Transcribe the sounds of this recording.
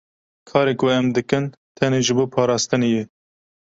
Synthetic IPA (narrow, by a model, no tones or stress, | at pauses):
kʰɑːɾeːkʊɛmd̪ɨkɨn | t̪ʰɛneːʒɨboːpʰɑːɾɑːst̪ɨneje